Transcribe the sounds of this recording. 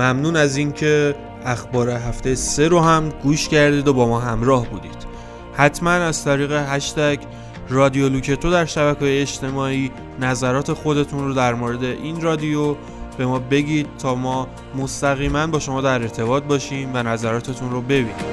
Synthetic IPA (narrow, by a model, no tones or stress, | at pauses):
mæmnuːnæziːncʰe̞ | æxbɒːɾe̞ɦæft̪ejese̞ɾoɦæmɡuːʃcæɾd̪iːd̪obɒːmɒːɦæmɾɒːhbuːd̪ḭːd̪̥ | hæt̪ʰmænæz̥t̪ʰæɾiːɣe̞ɦæʃt̪ækʰ | rɒːd̪ijo̞lucʰe̞t̪ʰod̪æɾʃæβækʰɒːjeːʃt̪ʰe̞mɒːiː | næzæɾɒːt̪ʰe̞xo̞d̪e̞t̪ʰunrod̪æɾmoɾe̞d̪e̞ʔinrɒːd̪ijo | b̥e̞mɒːbe̞ɟiːd̪̥̚t̪ʰɒːmɒː | mo̞st̪æɣiːmænbɒːʃo̞mɒːd̪æɾe̞ɾt̪ʰe̞βɒːt̪̚bɒːʃiːmvænæzæɾɒːt̪ʰe̞t̪ʰunrobe̞biːnid̪